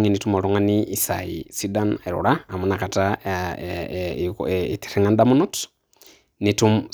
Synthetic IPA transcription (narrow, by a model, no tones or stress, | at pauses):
ŋinitumoɾuŋaniisaḭsidaneɾṵɾaamunakata | iti̥ɾeŋandamunut | nitu